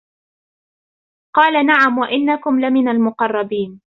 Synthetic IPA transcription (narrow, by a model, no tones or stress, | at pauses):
qɑːlanaʕamwaʔɪnːakʊmlɪmɪnalmʊqɑrˤːɑbiːn